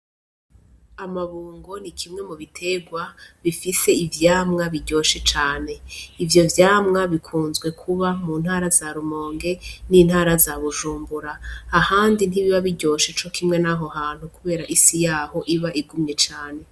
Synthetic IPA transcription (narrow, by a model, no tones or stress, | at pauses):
amaβuːŋɡo̞nikʰimŋe̞muβitʰe̞ɡwaβifise̞ivjaːmŋaβiɟo̞ːʃe̞t͡ʃaːne̞ivjo̞vjaːmŋaβikʰuːnzɡwe̞kʰuβamuːn̥haːɾazaɾumo̞ːŋɡe̞niːn̥haːɾazaβuʒuːmbuɾaːhaːndin̥iβiβaβiɟo̞ːʃe̞t͡ʃo̞kʰimŋe̞naɦo̞haːn̥hukuβe̞ːɾaʔisijaːho̞ʔiβaʔiɡumɲe̞t͡ʃaːne̞